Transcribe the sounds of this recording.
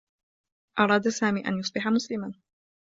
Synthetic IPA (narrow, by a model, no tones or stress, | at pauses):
ʔɑɾˤɑːd̪saːmiːʔa̰njʊsˤbɪħamʊslɪman